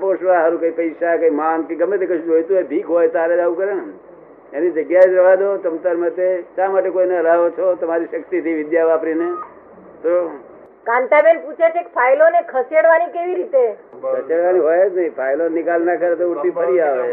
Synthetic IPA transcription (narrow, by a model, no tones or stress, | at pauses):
poʃʋaɦəɾũkəipəjʃakəimankeɡəmːet̪ʰikəʃũd͡ʒojt̪uɦed̪ʱikɦojt̪aɾed͡ʒaʋũkəɾen | enid͡ʒəɡjaed͡ʒ̪ɾəʋad̪ot̪əmt̪əɾmət̪eʃamaʈekoineəlaʋot͡ʃʰot̪əmaɾiʃəkt̪it̪ʰiʋɪd̪jaʋapɾine | t̪o | kãɳʈabenput͡ʃʰet͡ʃʰekpʰajlonekʰəseɽʋanikeʋiɾit̪ekʰəseɽʋaniɦojed͡ʒnəɦĩpʰajlonɪkalnakəɾet̪ouɳt̪ipəɾiaʋe